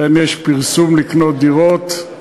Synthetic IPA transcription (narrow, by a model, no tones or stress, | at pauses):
enjeʃpiʁsumliknot̪̚d̪iʁot̪